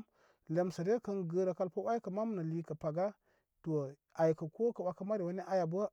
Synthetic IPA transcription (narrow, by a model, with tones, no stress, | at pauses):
le˨msa˨ɾe˦kə˦nɡə˦ɾa˨ka˦lpa˦wa˦jkə˨ma˦m˦na˨li˦kə˨pa˨ɡa˦ | to˨ | a˨jkə˨ko˦ka˨wa˦ka˦ma˦ɾi˨wa˦ne˦ʔa˦ja˨bə˦